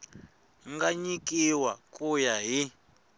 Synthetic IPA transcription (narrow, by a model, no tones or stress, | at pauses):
ŋɡaɲikʼiwakʼujaɦi